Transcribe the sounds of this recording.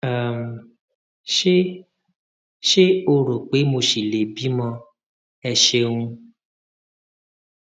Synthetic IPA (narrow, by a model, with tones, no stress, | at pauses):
a˨m | e˦ | ʃe˦o˧ɾo˨k͡pe˨˦mo˧ʃi˨le˨bi˦mɔ̃˧ | ɛ˧ʃe˧ŋũ˧